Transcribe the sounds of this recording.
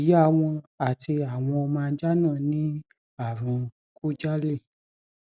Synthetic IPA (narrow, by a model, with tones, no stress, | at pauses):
ji˦a˦˧˨w̃ɔ̃˧a˦˨ti˧a˨w̃ɔ̃˧ɔ˧mã˧˦d͡ʒa˦nã˦˨nĩ˨˦ | a˨ɾũ˧ | ku˦d͡ʒa˦le˦˨